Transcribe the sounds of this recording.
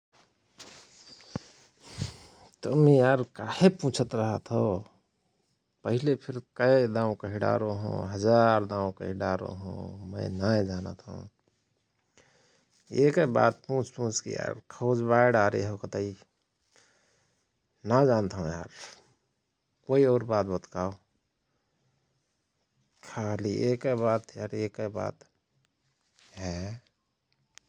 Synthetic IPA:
t̪əmijaːɾkahepũt͡ʃʰət̪ɾəɦət̪ʰɦo | pəɦilepʰiɾkəjd̪ãːũkəɦiɖa̰ɾoɦõ̰ɦəd͡ʒaɾd̪ãũkəɦiɖaɾo̰ɦõ̰mənaed͡ʒaːnə̰t̪ɦṵ̃ | ekeba̰ːt̪̚pũːt͡ʃpũːt͡ʃkḭja̰ɾkʰoːd͡ʒbaeɖaːɾeɦokət̪ai | nad͡ʒaːnt̪aɦõja̰ɾ | koːioːɾbaːt̪bət̪kaːo | kʰaːliʔekebaːt̪jaːɾeːkeba̰ːt̪ | ɦɛ

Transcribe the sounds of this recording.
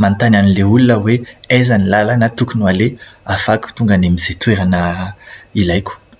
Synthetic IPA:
mant̪ananileulunəweejzanilalanat̪ukunualeafakʲu̥t̪uŋɡanemizet̪ueɾanə | ilajkʲu̥

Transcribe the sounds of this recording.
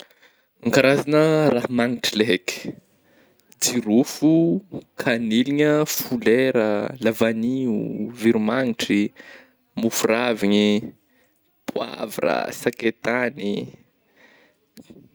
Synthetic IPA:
aŋkaɾazanərahmaŋiʈ͡ʂileɦeki̥ | d͡ziɾufukʰaniliɲəfuleɾəlavaniuviɾumaŋiʈ͡ʂi | mufuraviɲi | pʰua̰vɾa̰saket̪ani

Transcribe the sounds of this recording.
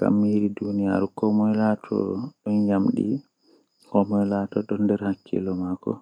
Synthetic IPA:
ka̰mːiɾidunija̰ɾkɔmɔjlatʰɔ̰ɗɔnd͡ʒamɗḭ | kɔmɔjlatɔɗɔndɛɾhakːɛ̰lɔmakɔ̰

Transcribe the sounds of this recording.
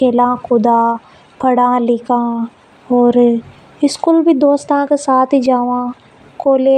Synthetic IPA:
kʰeːlãːkʊd̪aː | pʰɐɽãlɪkʰãː | ɔːɾ | ɪskulbʱid̪oːst̪ãkesaːt̪ʰid͡ʒaːʋã | koːle

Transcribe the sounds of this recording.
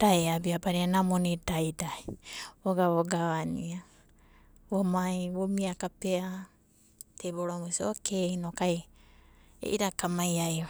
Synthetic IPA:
d̥aeabiabaɾianamonidajdajoɡaβoɡaβania | βomajβomiakapea | teboɾomusiokeinokaj | ḛʔiɾakamajaj

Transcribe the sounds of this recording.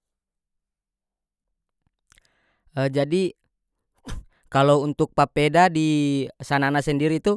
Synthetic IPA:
əd͡ʒadi | kalount̪uk̚papɛdadisananasɛndiɾit̪u

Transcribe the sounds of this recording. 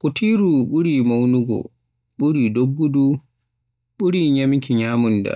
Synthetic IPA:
kutʰiɾuɓuɾimawnuɡɔ̰ | ɓuɾidoɡːudu | ɓuɾiɲamkiɲaːmunda̰

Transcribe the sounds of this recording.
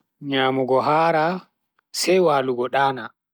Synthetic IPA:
ɲaːmuɡɔɦaːɾa | sɛjwaːluɡɔɗaːna

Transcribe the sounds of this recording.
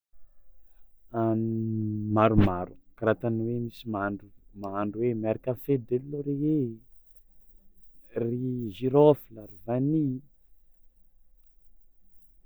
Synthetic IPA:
anmaɾumaɾukɾat̪aniwemisimaɳumaaɳɖ͡ʐuwemaɾakanfed̪elːoɾee | riʒiɾofilaɾivani

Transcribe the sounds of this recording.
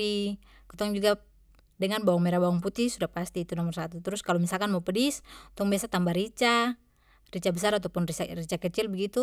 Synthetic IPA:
i | kɔt̪ɔŋd͡ʒuɡa | dɛŋanbawɔŋmɛɾabawɔŋput̪isudahpast̪iːt̪unɔmɔrsat̪ut̪ɾʊskalɔmisalkanmaupɛdiskt̪ɔŋbiasat̪ambaɾit͡ʃa | rit͡ʃabɛsaɾat̪ɔpunririt͡ʃakɛt͡ʃilbɛɡit̪u

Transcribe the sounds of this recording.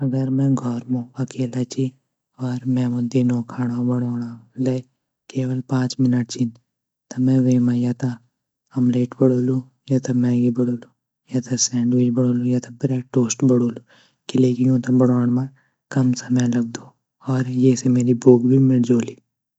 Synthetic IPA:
ɐɡəɾmɛ̃ːɡʱɔːɾmõɐkeːlat͡ʃi | ɔːɾmɛ̃ːõd̪ɪnõkʰaːɽ̃abɐɽoːɽ̃ale | keːʋəlpãːt͡ʃmɪnəʈ̚t͡ʃʰin | t̪ɐmɛ̃ʋeːmãjaːt̪a | ɐmleːʈbəɽoːlũ | jaːt̪ʰamɛ̃ːɡibəɽoːlu | jaːt̪ʰasɛ̃ːɳɖʋɪd͡ʒbəɽoːlũjat̪ʰabɾɛːʈːoːsʈbɐɽoːlu | kileːkijõt̪abəɽoːɳ̃mã | kɐmsɐmɛ̃lɐɡ̚d̪oː | ɔːɾjesemeːɾiboːɡbʱimɪld͡ʒoːliː

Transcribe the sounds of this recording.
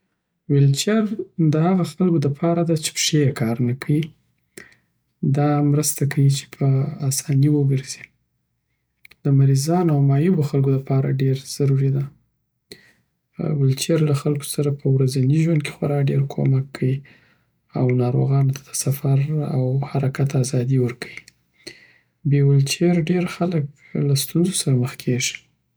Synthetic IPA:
wɪlt͡ʃjaɾd̪əhaɣaxalɡod̪əpʰɑɾad̪at͡ʃe̥pʂekʰɑɾnakʰawi | d̪ɑmɾəst̪akʰawit͡ʃe̥pʰəasɑniwəɡəɾzi | d̪̥əmaɾizɑnawmɑjɪboxalɡod̪əpɑɾa̰ɖeɾz̥aɾuɾid̪a | wʊlt͡ʃeɾlaxalko̥saɾapʰəwɾazaniʒwand̪̚kʰe̥xwaɾɑɖeɾkʰo̰makʰːawi | awnɑɾo̰ɣɑnot̪ʰḁd̪̥ə̥safaɾawhaɾakat̪azɑd̪iwəɾkʰawi | bewʊlt͡ʃeɾɖeɾxalək | last̪unzosaɾaməxkʰeʒi̥

